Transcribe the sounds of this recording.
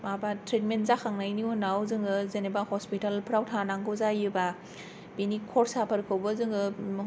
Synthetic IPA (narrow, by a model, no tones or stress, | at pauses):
mabatʰɾetmentzakʰaŋnajniunawzɯŋɯzenebahɔspitalpʰɾawtʰanaŋɡɯzajɯba | binikʰɔɾsapʰaɾkʰawbɯzɯŋɯ